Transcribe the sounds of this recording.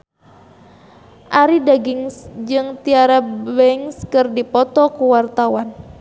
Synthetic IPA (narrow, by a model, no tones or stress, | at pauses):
ʔaɾidaɡiŋsd͡ʒɨŋt̪iaɾabɛŋskɨrdipɔt̪ɔkuwart̪awan